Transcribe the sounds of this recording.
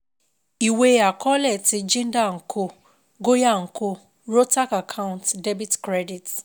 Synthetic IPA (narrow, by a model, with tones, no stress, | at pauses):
i˨we˦a˨kɔ˦lɛ˦˨ti˧d͡ʒĩ˦n̩˦da˦˨ŋ̩˨kʰo˦ | ɡo˦ja˦˨ŋ̩˨ko˦ | ɾo˦ta˦ka˨kʰa˦ʊ̃˦˨ntde˦bi˦tkɾɛ˦di˨t